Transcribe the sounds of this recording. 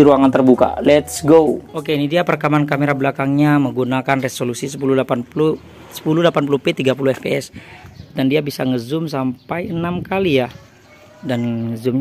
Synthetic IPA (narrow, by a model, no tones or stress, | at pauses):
iɾuaŋant̪ərbuka̰lɛt̪sɡookeinidiapərkamankameɾablakaŋɲaməŋɡunakanresolusisəpululapanpulu | sə̥pululapanp̬ulupɛt̪iɡapuluɛfpeɛsdandiabisaŋəzumsampajənamkalija | danŋəzumɲ